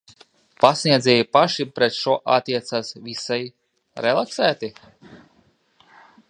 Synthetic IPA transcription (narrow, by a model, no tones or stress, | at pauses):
pasʲnʲiɛzʲɛːjipaʃipɾɛt̪ʃuɔʔa̰t̪ʲːiɛt̪saːsvisaj | ɾɛlˠaksæːt̪i